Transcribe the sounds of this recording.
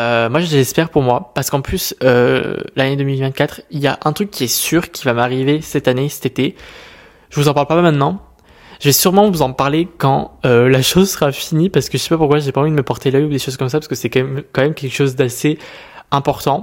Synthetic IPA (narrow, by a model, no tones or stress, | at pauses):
ømwaʒəʒɛspɛʁpuʁmwapaʁsə̥kɑ̃plysø̰laned̪əmilvɛ̃t̪̚kat̪χilja̰ʔɛ̃t̪χykːiɛsyʁkʲivamaʁivesɛt̪anesɛ̥t̪et̪e | ʒəvuzɑ̃paʁlpammɛ̃t̪nɑ̃ | ʒəvɛsyʁmɑ̃vuzɑ̃paʁlekɑ̃ølaʃozsəʁafinipaʁsəkəʒəsɛ̥papuʁkwaʒepaɑ̃vid̪əməpɔʁt̪elœjud̪eʃoz̥kɔmsapaʁsəkəsɛkmkɑ̃mɛmkʲɛlkə̥ʃozd̪ase | ɛ̃pɔʁt̪ɑ̃